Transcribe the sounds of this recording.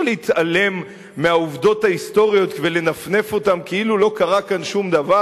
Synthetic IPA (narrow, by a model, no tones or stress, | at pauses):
leit̪ale̞mː | eauvdo̞thaist̪o̞ʁjo̞t̪vele̞nafne̞fo̞tamkeilulo̞kaʁakanʃumd̪ava